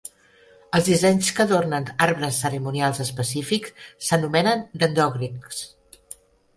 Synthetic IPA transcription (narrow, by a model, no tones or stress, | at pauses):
əlˠzðizɛɲskəðornənaɾβɾəsːəɾimunialˠzəspəsifikssːənumɛnənd̪ənd̪ɔɣɾiks